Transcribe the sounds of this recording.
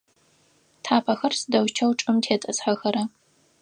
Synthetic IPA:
tʰaːpʰɐxɐrsɨdɐwt͡ʃʰɐwʈ͡ʂʼɨmtʰeːtʼɐsħɐxɐɾɐ

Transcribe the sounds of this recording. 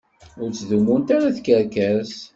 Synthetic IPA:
ʊɾt͡sːðumunt̪aɾaθkəɾkæs

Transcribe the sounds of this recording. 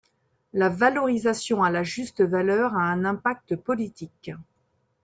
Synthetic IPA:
lavalɔʁizasjɔ̃alaʒyst̪əvalœʁaɛ̃nɛ̃pak̚t̪əpɔlit̪ik

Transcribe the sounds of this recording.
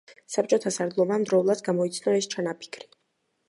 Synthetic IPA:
sap̚t͡ʃʼɔt̪ʰasaɾd̪lˠɔbamd̪ɾɔulˠad̪ɡamɔit̪sʰnɔɛst͡ʃʰanapʰi̥kʰɾi̥

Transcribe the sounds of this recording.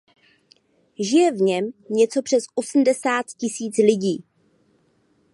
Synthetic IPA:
ʒɪjɛvɲɛmɲɛt͡so̞pr̥ɛsʔo̞sm̩dɛsaːt̪cɪsiːt͡slɪɟiː

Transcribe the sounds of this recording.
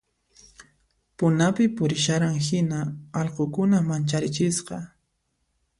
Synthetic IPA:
pʊnapɪpʊɾɪʃaɾaŋhɪnaɑlqokʊnamant͡ʃaɾɪt͡ʃɪsqɑ

